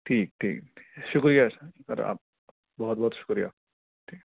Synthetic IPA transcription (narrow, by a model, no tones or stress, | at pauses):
ʈʰik̚ʈʰḭkʃukɾijakaɾ̰a̰ | bɔɦɔt̪̚bɔɦɔt̪ʃu̥kɾija̰ | ʈʰik